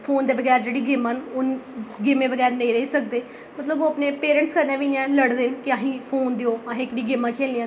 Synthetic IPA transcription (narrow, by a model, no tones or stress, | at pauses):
pʰoːnd̪eːbəɡɛːɾd͡ʒeːɽiːɡɪmaːnʊnɡɪmẽːbəɡɛːɾnẽːɾəiːsək̚d̪eː | mət̪ləboːaːpneːpeːɾ̃ːɳʈskəɾnẽːʋɪjãːləɽd̪enkɪjãːɦĩːpʰoːnd̪eoːaːɦẽːkɽiːɡɪmãːkʰeːliãː